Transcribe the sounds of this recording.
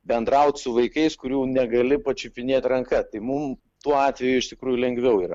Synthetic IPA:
bʲɛnd̪ɾɐʊt̪ʲsʊʋɐɪkɐɪskʊɾʲuːnʲɛɡɐlʲɪpɐt͡ʃʲʊpʲɪnʲeːt̪ʲrɐŋkɐt̪ɐɪmʊm | t̪uɔɑːt̪ʲʋʲɛjʊɪʃt̪ʲɪkɾuːjʊlʲɛŋɡʋʲɛʊiːɾɐ

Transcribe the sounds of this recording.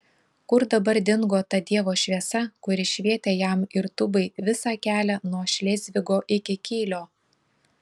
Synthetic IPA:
kʊɾd̪ɐbɐɾd̪ʲɪŋɡoːt̪ɐd̪ʲiɛʋoːʃʲʋʲiɛsɐkʊɾʲɪʃʲʋʲiɛt̪ʲeːjæmɪɾt̪ʊbɐɪʋʲɪsɑːkʲæːlʲɛnuɔʃʲlʲeːzʲʋʲɪɡoːʔɪkʲɪkʲiːlʲoː

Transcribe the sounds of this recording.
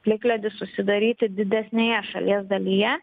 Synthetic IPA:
pʲlʲɪklʲɛd̪ʲɪsʊsʲɪd̪ɐɾʲiːt̪ʲɪd̪ʲɪd̪ʲɛsʲnʲejɛʃɐ̰lʲiɛsd̪ɐlʲɪjɛ

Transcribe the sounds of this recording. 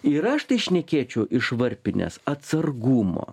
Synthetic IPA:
ɪɾɐʃt̪ɐɪʃʲnʲɛkʲeːt͡ʃʲɛʊʔɪʃʋɐɾʲpʲɪnʲɛ̰sɐt̪sɐɾɡuːmo̰ː

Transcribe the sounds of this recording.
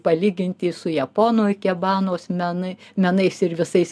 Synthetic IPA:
pɐlʲiːɡʲɪnʲt̪ʲiːsʊjɛpoːnoːjkʲɛbɑːnoːsmʲɛnɐmʲɛnɐɪsɪɾʋʲɪsɐɪs

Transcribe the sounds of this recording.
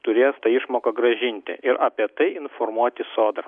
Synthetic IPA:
t̪ʊɾʲeːst̪ɐɪʃmoːkɐɡɾɐʒʲɪnʲt̪ʲɪ̰ʔɪɾɐpʲiɛt̪ɐɪɪnfoɾmuɔt̪ʲɪsoːd̪ɐ

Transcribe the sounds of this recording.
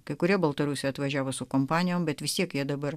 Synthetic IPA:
kɐɪkʊɾʲiɛbɐlˠt̪ɐɾusʲɛɐt̪ʋɐʒʲæːʋoːsʊkompɑːnʲɪjoːmbʲɛt̪ʋʲɪst̪ʲiɛkjiɛd̪ɐbɐɾ

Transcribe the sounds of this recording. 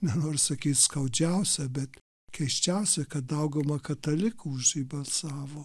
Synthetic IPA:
nʲɛnoːɾʲsɐkʲiːt̪skɐʊd͡ʒʲæʊsʲɛbʲɛt̪ | kʲɛʃʲt͡ʃʲæʊsʲɛkɐt̪ɐʊɡɐmɐkɐt̪ɐlʲɪkuʊʃiːbɐlˠʲsɑːʋoː

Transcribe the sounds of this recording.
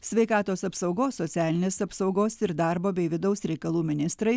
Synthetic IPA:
sʲʋʲɛɪkɑːt̪oːsɐpsɐʊɡoːsːɔt̪sʲæːlʲɪnʲeːsɐpsɒʊɡoːsɪɾd̪ɑɾboːbʲɛɪʋʲɪd̪ɐʊsɾʲɛɪkɐlˠuːmʲɪnʲɪst̪ɾɐɪ

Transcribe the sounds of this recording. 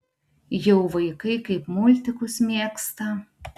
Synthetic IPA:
jɛʊʋɐɪkɐɪkɐɪpmʊlʲt̪ʲɪkʊsmʲiːkst̪ɐ

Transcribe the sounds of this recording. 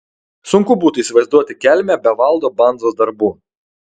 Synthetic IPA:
sʊŋkʊbuːt̪ʊiːsʲɪʋɐɪzd̪uɔt̪ʲɪkʲæˑlʲmʲɛbʲɛʋɐlˠd̪oːbɐnd̪zoːsd̪ɐɾbuː

